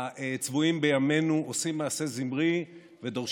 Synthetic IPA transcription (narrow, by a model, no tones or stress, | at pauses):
et͡svuimbejame̞nuʔosimːaːse̞zimʁi | ve̞d̪o̞ʁʃ